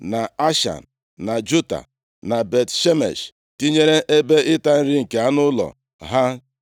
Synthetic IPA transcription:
na˨a˦ʃa̰˨n̩˨ | na˨d͡ʒu˦ta̰˨ | na˨be˨tʃe˦mḛ˨ʃ | ti˦ɲe˦ɾe˦ʔe˦be˦ʔɪ˦ta˦n̩˦ɾi˦ŋ̩˨ke˨a˦nʊ˦lɔ̰˨ | ɦa˦

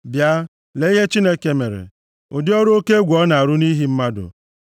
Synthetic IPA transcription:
bja˦ | le˨˦i˦ɦe˦t͡ʃi˦ne˦ke˨me˨ɾḛ˨ | o˨dɪ˦ɔ˦ɾʊ˦o˦ke˦ɡʷɔ˦na˨a˨ɾʊ˦ni˦ɦi˦m̩˦ma˦dʊ̰˨

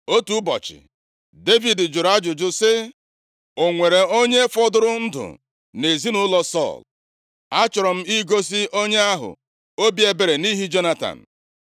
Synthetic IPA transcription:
o˦tu˦bɔ̰˨t͡ʃɪ̰˨ | de˦vi˨dɪ˨d͡ʒʊ˨ɾa˦d͡ʒʊ˨d͡ʒʊ˦sɪ˦ | o˨ŋʷe˨ɾe˨o˦ɲe˦fɔ˦dʊ˦ɾʊ˦n̩˦dʊ̰˨ | ne˨zi˦nʊ˦lɔ˦sɔ̰˦˨l | a˦t͡ʃʊ˨ɾɔ˨m̩˦i˦ɡo˦s̬ɪ˦o˦ɲe˦a˦ɦʊ̰˨ | o˦bi˦e˦be˨ɾe˨ni˦ɦi˦d͡ʒo˦na˦ta̰˨n̩˨

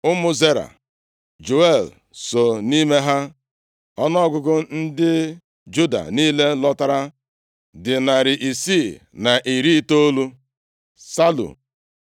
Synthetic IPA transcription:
ʊ˦mʊ˦ze˦ɾa̰˨ | d͡ʒo˨e˦˨l | so˨ni˦me˦ɦa˦ | ɔ˦nɔ˦ɡʊ˦ɡʊ˦n̩˦dɪ˦ | d͡ʒu˦da̰˨niː˦le˦lɔ˦ta˦ɾa˦ | dɪ˨na˨ɾɪ˨ʔi˨si˦˨ | na˨ʔi˨ɾi˦to˦lu˦ | sa˦lṵ˨

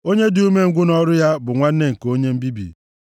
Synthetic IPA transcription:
o˦ɲe˦dɪ˨u˦me˦ŋ̩˦ɡʷʊ˦nɔ˦ɾʊ˦ja˦bʊ˨ŋʷa˦n̩˦ne˦ŋ̩˨ko˦ɲe˦m̩˦bi˦bḭ˨

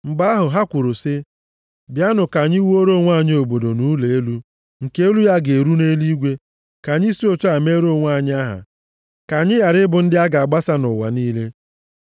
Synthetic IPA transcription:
m̩˨ɡ͡ba˦ɦʊ˨ɦa˦kʷʊ˨ɾʊ˨sɪ˦ | bja˦nʊ˨ka˨ɲɪ˦wo˦ɾo˦˨ŋʷa˦˨ɲ˦o˨bo˨do˨nu˦le˨e˦lu˦ | ŋ̩˨ke˦e˦lu˦ja˦ɡe˨ɾu˦ne˦li˦ɡʷe˦ | ka˨ɲɪ˦si˦o˦t͡ʃo˦a˨me˦ɾo˦˨ŋʷa˦˨ɲɪ˦a˦ɦa̰˨ | ka˨ɲɪ˦ja˨ɾɪ˦bʊ˨n̩˦dɪ˦a˦ɡa˨a˨ɡ͡ba˦sa˦nʊ˨wa̰˨niː˦le˦

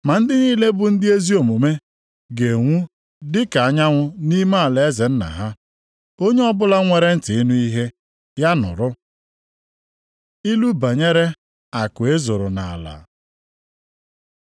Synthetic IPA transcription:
ma˨n̩˦dɪ˦niː˦le˦bʊ˦n̩˦dɪ˦e˦zi˦o˨mo˨me˦ | ɡe˨ŋʷu˦ | dɪ˦ka˨a˨ɲa˦ŋʷʊ˦ni˦ma˦˨le˨e˦ze˨n̩˦na̰˨ɦa˦ | o˦ɲe˦ɔ˦bʊ˦la˦ŋʷe˨ɾe˦n̩˦tɪ˨i˦nu˦i˦ɦe˦ | ja˦nʊ̰˨ɾʊ˦ | i˦lu˦ba˨ɲe˦ɾe˦ | a˨kʊ˨e˦zo˨ɾʊ˨na˨a˨la̰˨

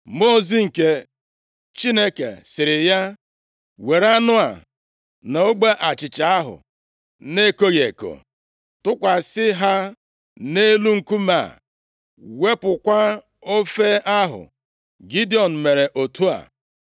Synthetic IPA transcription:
mo˦˨zi˦ŋ̩˨ke˦ | t͡ʃi˦ne˦kḛ˨sɪ˨ɾɪ˨ja˦ | we˨ɾa˦nʊ˦a˨ | na˨o˦ɡ͡be˦ʔa˨t͡ʃɪ˨t͡ʃa˨a˦ɦʊ̰˨ | ne˦ko˦ɣe˨ko̰˨ | tʊ˦kʷa˨sɪ˦ɦa˦ | ne˦lu˦ŋ̩˨ku˦ma̰ː˦˨ | we˦pʊ˨kʷa˦ | o˦fe˦a˦ɦʊ̰˨ | ɡi˦di˦ɔ˨n̩˨me˨ɾe˨ʔo˨tʰu˦a̰˨

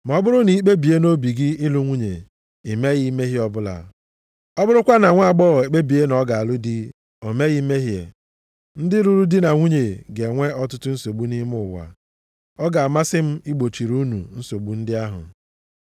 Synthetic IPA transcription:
m˨ɔ˦bʊ˦ɾʊ˦ni˨˦k͡pe˦bi˨e˦no˦bi˨ɡɪ˦ɪ˦lu˨ŋʷu˦ɲe˨ | i˨me˦ɣi˦me˦ɦi˦ɔ˦bʊ˦la̰˨ | ɔ˦bʊ˦ɾʊ˦kʷa˦na˨ŋʷa˦˨ɡ͡bɔ˦˨e˨k͡pe˦bi˨e˦nɔ˦ɡa˨a˨lʊ˦di˦ | o˨me˦ɣi˦me˦ɦjḛ˨ | n̩˦dɪ˦ɾu˦˨ɾu˦dɪ˦na˨ŋʷu˦ɲe˨ɡe˨ŋʷe˦ɔ˦tʊ˦tʊ˦n̩˦so˨ɡ͡bu˦ni˦m˦ʊ˦˨wa̰˨ | ɔ˦ɡa˨a˨ma˦sɪ˦m̩˦i˦ɡ͡bo˨t͡ʃi˨ɾu˦nṵ˨n̩˦so˨ɡ͡bu˦n̩˦dɪ˦a˦ɦʊ̰˨

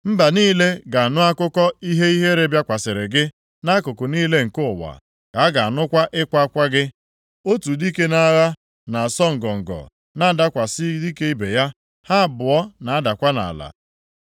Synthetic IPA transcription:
m̩˦ba˨niː˦le˦ɡa˨a˨nʊ˦a˦kʊ˦kɔ˦i˦ɦe˦i˦ɦe˦ɾe˦bja˦kʷa˨sɪ˨ɾɪ˨ɡɪ˦ | na˦kʊ˨kʊ˨niː˦le˦ŋ̩˨kʊ˦ʊ˨wa̰˨ | ka˨˦ɡa˨a˨nʊ˦kʷa˦ʔɪ˦kʷa˦kʷa˦ɡɪ˦ | o˦tu˨di˦ke˦na˦ɣa˦ | na˨a˨sɔ˦ŋ̩˨ɡɔ˨ŋ̩˨ɡɔ̰˨ | na˦˨da˦kʷa˨sɪ˦di˦ke˦i˦be˨ja˦ | ha˦˨bʊ˨ɔ˦na˨a˦da˨kʷa˦na̰˨la̰˨

